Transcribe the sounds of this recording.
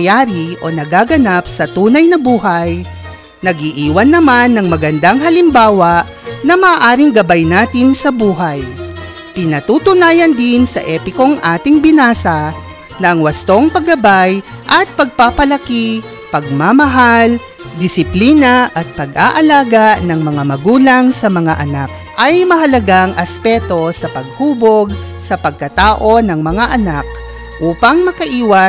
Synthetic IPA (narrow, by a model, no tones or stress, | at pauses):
jaːɾiʔo̞nɐɡaːɡɐnap̚sɐt̪uːnɐjnɐbuːɦɐj | nɐɡiʔiːwɐnːɐmanːɐŋmɐɡɐnd̪aŋɦɐlɪmbaːwɐ | nɐmɐːʔaːɾɪŋɡɐbajnaːt̪ɪnsɐbuːɦɐj | pɪnɐt̪ut̪ʊnaːjɐnd̪ɪnsɐ̰ʔɛːpɪko̞ŋʔaːt̪ɪŋbɪnaːsɐ | nɐʔɐŋwɐst̪o̞ŋpɐɡːɐbajʔɐt̪̚pɐɡ̚papɐlɐki | pɐɡ̚mamɐɦal | d̪ɪsɪpliːnɐʔɐt̪̚pɐɡaʔɐlaːɡanɐŋmɐŋamɐɡuːlɐŋsɐmɐŋaʔɐnak̚ | ʔɐjmɐɦɐlɐɡaŋʔɐspɛt̪o̞sɐpɐɡ̚huːbo̞ɡsɐpɐɡ̚kɐt̪aːʔo̞nɐŋmɐŋaʔɐnak̚ | ʔuːpɐŋmɐkɐʔiːwɐ